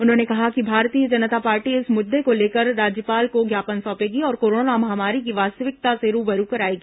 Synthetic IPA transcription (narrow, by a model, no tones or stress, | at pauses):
ʊnɦõːnekɐɦakibʱaːɾt̪iːəd͡ʒɐnət̪apaːɾʈiɪsmʊd̪ʱːekoleːkəɾːaːd͡ʒjəpaːlkoɡjaːpənsɔ̃ːpeːɡiɔːɾkoːɾoːnamɐɦaːmaːɾikiʋaːst̪əʋɪk̚t̪aseɾuːbɐɾukɐɾaːeːɡiː